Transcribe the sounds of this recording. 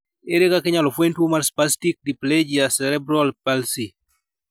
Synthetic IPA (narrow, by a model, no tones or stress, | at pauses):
eɾekakɪɲalɔfwentwomaɾspastik̚dipled͡ʒijasɛɾɛbɾɔlpalsi